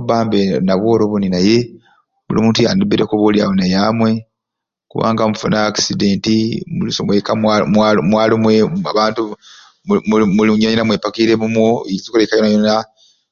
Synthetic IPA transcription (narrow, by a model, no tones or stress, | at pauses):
baːmbenaβwo̞ːɾoβuninaje̞ | bṵlḭmuːntujaːndubeɾekuβolja̰wonajamwe̞ | kuβa̰ːŋɡamufunaːkside̞ːntimulisomwekaamamwaːlomwea̰βaːntu | mumuliɲɲinamwepakiɾemumwoiizikulekajonajona